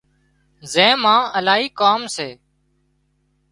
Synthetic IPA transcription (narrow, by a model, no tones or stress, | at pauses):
zẽːmãːəlaːɦiːkaːmseː